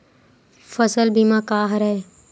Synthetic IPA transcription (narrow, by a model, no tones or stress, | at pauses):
fəsəlbimãkaːɦɾɐeː